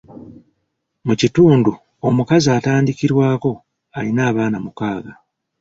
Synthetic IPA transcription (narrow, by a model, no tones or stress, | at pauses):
mucituːndu | o̞mukazaːtaːndiciɾwaːko̞ | alinaːβaːnamukaːɡa